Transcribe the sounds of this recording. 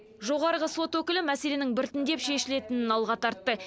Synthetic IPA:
ʒo̞ʁɑɾəʁəso̞t̪wɵkʲɪlɪmæse̞le̞nɪŋbɪɾt̪ɪnd̪e̞pʃe̞ʃɪle̞t̪ɪnɪnɑlˠʁɑt̪ʰɑɾt̪ːə

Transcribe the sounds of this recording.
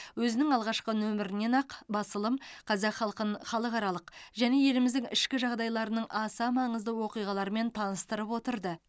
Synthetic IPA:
wɵzɪnɪŋɑlˠʁɑʃqənɵmɪɾɪne̞nɑqbɑsəlˠəmqʰɑzɑqχɑəχɑlˠəqɑɾɑlˠəqʒæne̞je̞lɪmɪzd̪ɪŋɪ̰ʃkʲɪʒɑʁd̪ɑjlˠɑɾənəɴʔɑsɑmɑɴəzd̪əwo̞qijʁɑlˠɑɾəme̞nt̪ʰɑnəst̪əɾəpwo̞t̪əɾd̪ə

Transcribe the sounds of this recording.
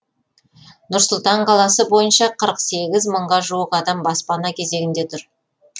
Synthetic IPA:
nʊɾsʊlˠt̪ɑɴqʰɑlˠɑsəbo̞jənʃɑqʰəɾəqse̞ɡʲɪzməɴʁɑʒuwəqɑd̪ɑmbɑspɑnɑkʲʰe̞ze̞ɡʲɪnd̪e̞t̪ʰʊɾ

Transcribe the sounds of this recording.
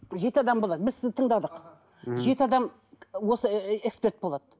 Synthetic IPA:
ʒe̞t̪əɑd̪ɑmbo̞lˠɑd̪əbɪzsɪzt̪ʰəɴd̪ɑd̪əq | ʒe̞t̪əɑd̪ɑm | wo̞səekspe̞rt̪̚bo̞lˠɑd̪ə

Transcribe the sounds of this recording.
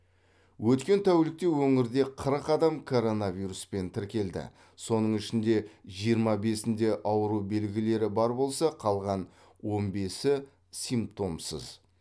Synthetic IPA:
wʔɵt̪kʲe̞nt̪ʰæwlɪk̚t̪e̞wɵŋɪɾd̪e̞qʰəɾəqɑd̪ɑmkʰo̞ɾo̞navʲiɾuspe̞nt̪ʰɪɾkʲe̞ld̪ɪ̰ | so̞nəɴɪʃɪnd̪e̞ʒijəɾmɑbe̞sɪnd̪e̞ʔɑwəɾube̞lɡʲɪle̞ɾɪbɑɾbo̞lˠsɑqʰɑlˠʁɑn | wo̞nbe̞sɪ | sijmpt̚t̪o̞msə̰z

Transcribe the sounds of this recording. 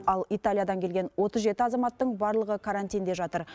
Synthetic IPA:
ɑlˠijt̪alʲijad̪ɑŋkʲʰe̞lɡʲe̞nwo̞t̪əzʒe̞t̪ɪɑzɑmɑt̪ːəɴbɑɾlˠəʁəkʰaɾant̪ijnd̪e̞ʒɑt̪əɾ

